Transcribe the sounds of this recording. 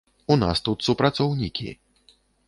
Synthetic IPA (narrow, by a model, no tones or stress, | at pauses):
una̰st̪ut̪supɾat̪sɔwnʲikʲḭ